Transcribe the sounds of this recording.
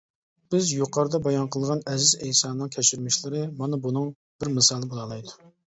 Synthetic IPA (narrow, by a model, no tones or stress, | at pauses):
b̥ɪzjuqʰɑɾɨd̪ɑbɑjɑnqʰəlˠʁɑnɛzɪzɛjsɑːnɨŋkʲʰɛt͡ʃiɾmɪʃlɪɾɨmɑnɑbunɨŋ | b̥ɪɾmɨsɑːlˠɨbolˠɑlˠɑjd̪u